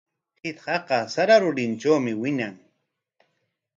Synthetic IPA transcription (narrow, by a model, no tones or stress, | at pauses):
hɪt̪hɑqɑsaɾaɾʊɾɪnʈ͡ʂawmɪwɪɲaŋ